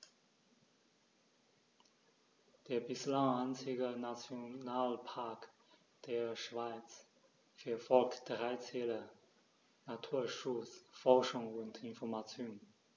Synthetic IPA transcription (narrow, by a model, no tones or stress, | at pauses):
d̥eːɐbɪslaŋaɪnt͡sɪɡənat͡sjonaːlpʰaɐk | d̥eːɐʃv̥aɪt͡s | fɛːɐfɔlktd̥ʁaɪt͡sɛːlə | natʰuːɐʃʊt͡sfɔʁʃʊŋʊntʰɪnfɔɐmat͡sjoːn